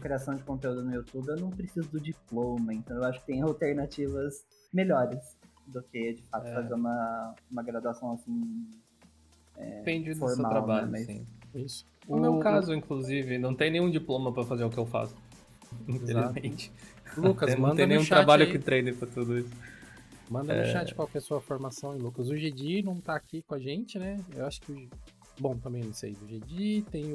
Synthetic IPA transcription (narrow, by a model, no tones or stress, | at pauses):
ɐkɾiasɐ̃w̃d͡ʒɪkõnt̪eud̪ʊnʊiut̪ubɪewnɐ̃w̃pɾesizʊd̪ʊd͡ʒiplõmɐẽnt̪ɐ̃w̃ewaʃʊkɪ̥t̪ẽj̃awt̪eɾnat͡ʃivɐz | meʎɔɾɪsd̪ʊked͡ʒɪfat̪ʊ̥fazeũmɐũmɐɡɾad̪asɐ̃w̃asĩ | ɛ̰pẽd͡ʒɪd̪fosɾmmat̪ɾabaʎʊmɛsḭ̃isʊ̥ʊmewkazʊĩŋkluzivɪnɐ̃w̃t̪ẽj̃nẽj̃ũd͡ʒiplõmɐpɾɐfazeɾʊkɪewfa̰sʊ̥ | ĩfelzlizt̪mẽt͡ʃɪ̥ | lukɐsnmɐ̃eɐ̃nẽj̃ũʃɾabaʎʊkɪt̪ɾejnẽpɾɐt̪ud̪ʊisʊ̥ | mɐ̃nd̪ɐɛʊ̰ʃat͡ʃɪ̥kwawkɛɾsuɐfoɾmasɐ̃w̃ẽlukɐzʊʒed͡ʒinɐ̃w̃t̪aːkikõaʒẽnt͡ʃɪnɛewaʃʊ̥kɪʊ | bõw̃t̪ɐ̃mbẽj̃nɐ̃w̃sḛjʊʒed͡ʒiit̪ẽj̃